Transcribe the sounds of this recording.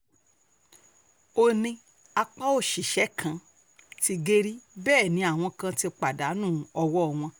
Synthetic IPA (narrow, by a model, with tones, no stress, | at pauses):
o˧nĩ˧ | a˧k͡pa˦o˦˨ʃi˨ʃɛ˨˦kʰã˧˨ | ti˧ɡe˦ɾi˦bɛː˦˨nĩ˨˦a˦˨w̃ɔ̃˧kã˧ti˧k͡pa˨da˨˦nũː˦˨˦ɔ˧wɔ˦˧˨w̃ɔ̃˧